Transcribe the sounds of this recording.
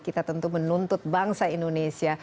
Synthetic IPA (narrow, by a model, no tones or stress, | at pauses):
kit̪at̪ənt̪umənunt̪ʊt̪̚baŋsaindonesia